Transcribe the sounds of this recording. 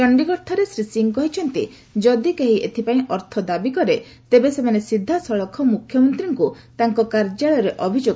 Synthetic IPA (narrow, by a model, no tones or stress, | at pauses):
ɔɳɖiɡɔɾt̪ʰɔɾesɾisiŋkɔɦit͡ʃʰɔnt̪i | d͡ʒɔd̪ikeɦiʔet̪ʰipaĩʔɔɾt̪ʰɔd̪abikɔɾe | t̪ebesemanesid̪ʱːasɔɭɔkʰːɔmukʰjɔmɔnt̪ɾiŋku | t̪aŋkɔkaɾd͡ʒaɭɔɾeʔɔbʱid͡ʒoɡ